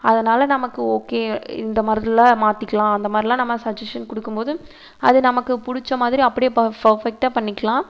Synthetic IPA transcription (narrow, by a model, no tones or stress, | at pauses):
ɐðɐnaːlɐnɐmɐkːɯoːkeːɪ̰nd̪ɐmaːɾɾɪlãːmaːt̪ːɪkːɐɭãːɐnd̪ɐmaːd̪ɾɪlãːnɐmːɐsɐd͡ʒɐsʈɐnkʊɽɯkːɯmpoːðɯ | ɐ̰ðɯnɐmɐkːɯpʊɽʊt͡ʃːɐmaːðɪɾiɐpːɐɽɪjepɐpɐɾfɛk̚ʈaːpɐɳːɪkːɐɭãː